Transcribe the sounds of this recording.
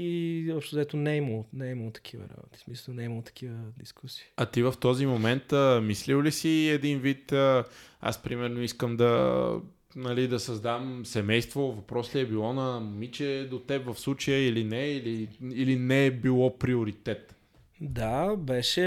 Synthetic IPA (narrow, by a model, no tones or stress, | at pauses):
izɔpʃt̪ʊzɐɛt̪onɛiməlˠnɛiməlˠot̪ɐ̥k̟ʰivə̰ɾa̰bo̰t̪i̥smisˠnɛiməlˠt̪ɐ̥kivəd̪iskusi̥ːɐt̪ivəft̪ɔzimomɛnt̪əmisliwlisiɛd̪invit̪əa̰spɾimɛɾnoiskəmd̪ɐ̰ | nɐlid̪ɐsɐzd̪amsɛmɛjst̪vovɐpɾɔsliɛbilˠɔnɐmit͡ʃɛd̪ot̪ɛpvəfslˠut͡ʃəjəilinɛiliilinɛɛbilˠɔpɾioɾit̪ɛt̪ | d̪abɛʃɛ